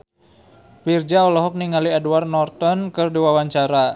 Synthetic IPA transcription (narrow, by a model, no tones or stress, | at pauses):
fird͡ʒaɔlɔɦɔk̚niŋaliaduwarnɔrt̪ɔnkɨrdiwawaɲt͡ʃaɾa